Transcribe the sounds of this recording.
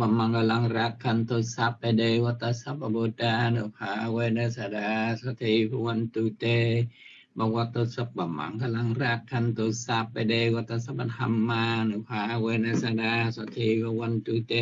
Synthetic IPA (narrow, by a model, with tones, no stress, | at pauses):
ba˧mːa˧ŋka˧la˧ŋɾa˧kʰːa˧nt̪o˧sa˧pːa˧de˧wa˧t̪a˧sa˧˦p̚a˧bo˧t̪a˧nu˨pʰa˧˦˧we˧na˧sa˧da˧sa˧t̪ʰi˧pʰa˧wa˧nt̪u˧t̪e˧ | ba˧wa˧t̪o˧sa˧p̚ba˨ma̰˨˦ŋka˧la˧ŋɾa˧kʰːa˧nt̪o˧sa˧pːa˧de˧wa˧t̪a˧s̬a˧pa˧nha̰˧mːa˧nu˨pʰa˧we˧na˧sa˧da˧sa˧t̪ʰi˧pʰa˧wa˧nt̪u˧t̪e˧